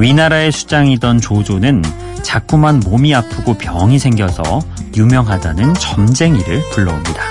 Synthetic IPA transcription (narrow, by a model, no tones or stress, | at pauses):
ɥinaɾae̞sʰu̥d͡ʑaŋidʌnt͡ɕod͡ʑonɯn | t͡ɕak͈umanmomiapʰɯɡopjʌŋisʰe̞ŋɡjʌsʰʌ̰jumjʌŋɦadanɯnt͡ɕʌmd͡ʑe̞ŋiɾɯɭpuɭːʌomɲida